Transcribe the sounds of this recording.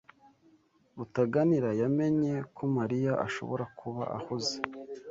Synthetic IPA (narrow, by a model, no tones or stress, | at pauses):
βutaɡaniɾajame̞ɲe̞kʰomaɾijaʔaʃo̞̰βo̞ɾakʰuβa̰ʔa̰huze